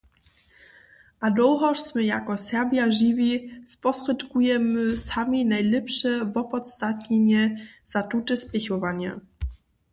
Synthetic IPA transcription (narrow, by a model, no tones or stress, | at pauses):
ʔad̪ɔwɦɔʂsmɘjakɔsɛbʲjaʐivʲispɔsʂɛt̪kujɛmɘsamʲinajlɛpʂɛvɔpɔt̪st̪at̪ɲeɲɛz̥atutɘspʲɛxɔvaɲɛ̰